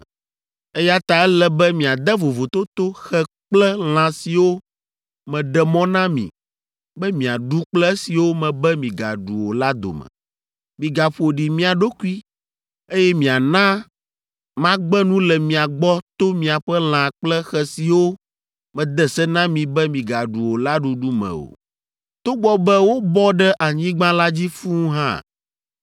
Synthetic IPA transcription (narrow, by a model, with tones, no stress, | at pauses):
ɛ˦ja˦t̪a˨ɛ˦lɛ˦bɛ˦mĩ˨a˨d̪ɛ˦vo˨vo˨t̪o˦t̪o˦xɛ˦ | k͡plɛ˦l̃ã˨si˨wo˦ | mɛ̃˨ɖɛ˦mɔ̃˦nã˦mḭ̃˨ | bɛ˦mĩ˨a̰˨ɖu˦k͡plɛ˦ɛ˦si˨wo˦mɛ̃˨bɛ˦mĩ˨ɡa̰˨ɖṵ˨wo̰˨la˦d̪o̰˨mɛ̰̃˨ | mĩ˨ɡa˨ɸo˨ɖi˨mĩ˦a˨ɖo˦ku˦i˦ | e˦jɛ˦mĩ˨a˨nã˦ | mã˦ɡ͡bɛ˦nũ˦lɛ˨mĩ˨a˨ɡ͡bɔ˦t̪o˦mĩ˨a˨ɸɛ˦l̃ã˨k͡plɛ˦xɛ˦si˨wo˦ | mɛ̃˨d̪ɛ˦sɛ˦nã˦mĩ˨bɛ˦mĩ˨ɡa˨ɖu˨wo˨la˦ɖu˨ɖu˦mɛ̰̃˨wo̰˨ | t̪o˦ɡ͡bɔ˦bɛ˦wo˦bɔ˦ɖɛ˦ʔa˨ɲĩ˦ɡ͡bã˦la˦d͡ʑi˦fũ˦ɦã̰˦˨